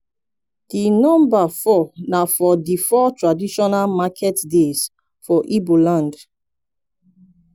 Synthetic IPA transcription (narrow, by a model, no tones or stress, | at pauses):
d̥inɔ̃mbafɔnafɔdifɔtʰɹadiʃɔnalmakʰɛtdez̥ | fɔʔibolãnd